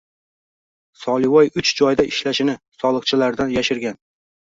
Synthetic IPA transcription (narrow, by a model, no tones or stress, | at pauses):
sɒlˠɪwɒjʊt͡ʃd͡ʒɒjd̪aʔɪʃlaʃɪnɪsɒlˠɨqt͡ʃʰɪlaɾd̪anjaʃɪɾɡʲan